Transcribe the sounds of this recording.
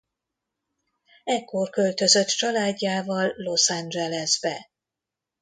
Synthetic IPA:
ɛkʰːo̞rkø̞lt̪ø̞zø̞t̪t͡ʃɒlaːɟːaːvɒlːo̞sand͡ʒɛlɛzbɛ

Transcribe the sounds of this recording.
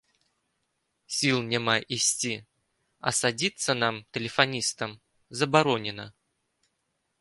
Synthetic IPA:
sʲilˠnʲamajʔisʲt͡sʲi | ɐ̰sad͡zʲit̪sənamt̪ʲɪlʲɪfanʲist̪əm | zɐbaɾɔnʲɪnə

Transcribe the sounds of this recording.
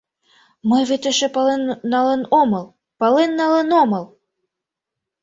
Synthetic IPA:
mɤjβet̪ĕʃĕpɑlenːɑlɤnomɤlˠ | pɑlenːɑlenomɤlˠ

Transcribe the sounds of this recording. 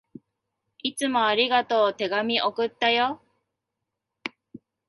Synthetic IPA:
it͡sɨmo̞aɾʲiɡat̪o̞ːt̪e̞ɡamʲiʔokɯ̟t̪ːajo

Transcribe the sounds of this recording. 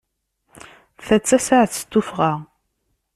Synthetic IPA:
θæt͡sːæsaʕθsə̥t̪ːufʁa

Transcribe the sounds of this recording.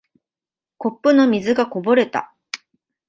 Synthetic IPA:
ko̞pːɯ̟no̞mʲizɨɡako̞bo̞ɾe̞t̪a̰

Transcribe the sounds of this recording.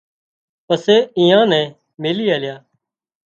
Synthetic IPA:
pəseːɪ̃ːãːnɛ̃ː | meːliːaːljaː

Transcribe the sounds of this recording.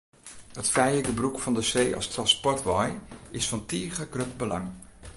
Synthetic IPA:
hətfɛjləkəbrukfɔndəseːɑ̰strɑ̃nspɔrtʋɔjɪsfɑntiːχəɡrøpbəlɑ̰ŋ

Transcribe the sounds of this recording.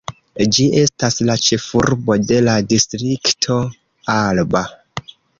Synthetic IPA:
d͡ʒie̞staslat͡ʃe̞fuɾbo̞de̞ladistɾiktʰo̞ | alba

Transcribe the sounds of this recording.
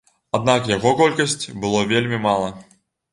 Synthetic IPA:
ad̪̚nakjaɣɔkɔlʲkɐsʲt͡sʲbɨlˠɔvʲelʲmʲimalˠɐ

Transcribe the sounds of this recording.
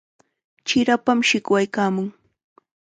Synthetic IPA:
t͡ʃɪɾapamʃɪkwajkaːmʊŋ

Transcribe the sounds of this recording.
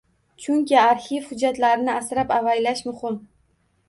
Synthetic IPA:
t͡ʃʰʊŋkʲʰɪaɾhifhʊd͡ʒːat̪laɾɪnɪasɾapavajlaʃmʊhɪm

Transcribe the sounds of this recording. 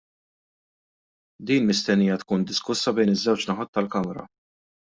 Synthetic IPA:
d̪iːnmɪst̪ɛnːiːjɐt̪kuːnd̪ɪskʊsːɐbɛjnɪzːɛwt͡ʃnɐħɐt̪ːɐlkɐmɾɐ̰

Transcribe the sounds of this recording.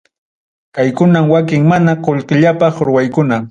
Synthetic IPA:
kajkʊnamwak̬ɪŋmanaqoʎqɪʎapɑχɾʊwajkʊna

